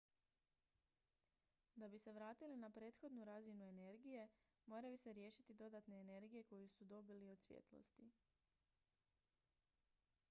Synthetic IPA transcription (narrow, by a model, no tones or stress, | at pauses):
d̪abise̞ʋɾaːt̪ilinapɾe̞ːt̪xo̞d̪nuɾazinue̞ne̞ɾɡije̞ | mo̞ːɾajuseɾje̞ːʃit̪id̪o̞d̪at̪ne̞ːne̞ɾɡije̞ko̞jusud̪o̞bilio̞d̪sʋjḛt̪lo̰st̪i